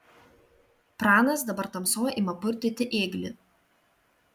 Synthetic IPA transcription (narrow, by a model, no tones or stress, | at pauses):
pɾɑːnɐsd̪ɐbɐɾt̪ɐmsoːimɐpʊɾʲt̪ʲɪt̪ʲɪʔeːɡlʲɪ